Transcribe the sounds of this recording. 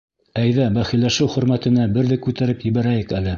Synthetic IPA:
æjðæbæχilːæʃɘwχɵ̆ɾmæt̪ɘ̆næbɘ̆ɾðɘkʉt̪æɾɘpjɘ̆βæɾæjɘkælɘ

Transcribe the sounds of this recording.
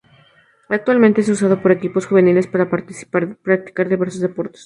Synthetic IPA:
ak̚t̪walmẽnt̪ees̬us̬að̞o̞po̞ɾe̞kipo̞sxuβe̞nile̞spaɾapḁpɾak̚t̪i̥kaɾðiβe̞ɾsozðe̞po̞ɾt̪o̥s

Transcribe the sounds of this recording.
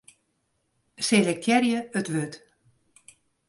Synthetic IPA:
selɛk̚tjɛɾjəətʋøt

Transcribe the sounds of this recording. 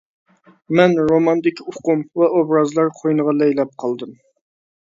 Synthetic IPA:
mɛnɾomɑnd̪ɪkʲʰʊqʊmvɛʔobɾɑzlˠɑɾqʰojnɨʁɑlɛjlɛp̚qʰɑlˠd̪ɨm

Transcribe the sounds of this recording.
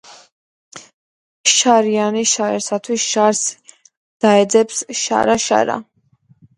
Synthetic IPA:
ʃaɾianiʃaɛɾsat̪ʰwisʃaɾs | d̪̥aɛd̪zɛpsʃa̰ɾaʃa̰ɾa̰

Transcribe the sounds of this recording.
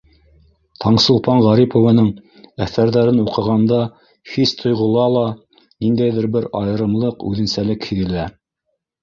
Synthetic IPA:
t̪ʰɑɴsŏlˠpɑɴʁɑɾipŏvɤ̆nɤɴ | æθæɾðæɾɘnuqɤ̆ʁɑnd̪ɑ | hist̪ʰŏjʁɤ̆lˠɑlˠɑ | nind̪æjðɘɾbɘɾɑjɤ̆ɾɤ̆mlˠɤqʉ̰ðɘ̆nsælɘkhɘ̆ðɘ̆læ

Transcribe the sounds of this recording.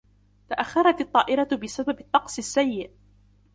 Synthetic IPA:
t̪aʔaxːɑɾˤɑt̪ɑt̪ˤːɑːʔɪɾabɪsababɪt̪ˤːɑqsˤɪsːajːɪʔ

